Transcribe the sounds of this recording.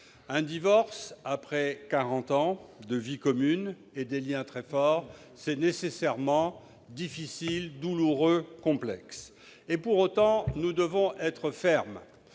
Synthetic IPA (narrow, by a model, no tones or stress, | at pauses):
ɛ̃d̪ivɔʁsapχɛkaʁɑ̃t̪ɑ̃d̪əvikɔmyn | ed̪eljɛ̃t̪χɛfɔʁ | sɛnesesɛʁmɑ̃ | d̪ifisild̪uluʁøkɔ̃plɛ̰ks | epuʁot̪ɑ̃nud̪əvɔ̃ʔɛt̪χəfɛʁm